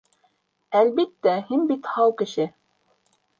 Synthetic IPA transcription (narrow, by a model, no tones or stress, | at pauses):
ælβit̪ːæhinbit̪hɑwkɘ̆ʃɘ